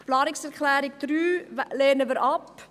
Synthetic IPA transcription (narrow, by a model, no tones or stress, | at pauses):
plɑːɾɪksərklæːɾɪk̚tryleːnəʋəɾɑp